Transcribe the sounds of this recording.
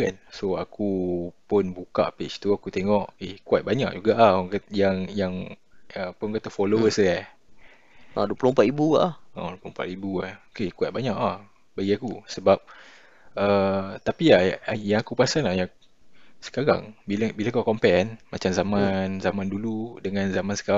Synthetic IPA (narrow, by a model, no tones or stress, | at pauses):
kansoakupʊnbuka̰ʔpet͡ʃt̪uakut̪eŋɔʔehkuat̪̚baɲa̰ʔd͡ʒuɡaʔahjaŋjaŋ | əpʊnkat̪afɔlowəsa | a̰duəplompat̪ibuaʔlha̰dplompa̰t̪ibuaokekuat̪̚baɲaʔah | baɡiakusəbap̚ | ət̪apiajaŋakupasanlahja | sə̥kaɾa̰ŋbilbilakukɔmpɛnmat͡ʃamzamãnzamãnduludəŋãnzamansə̥ka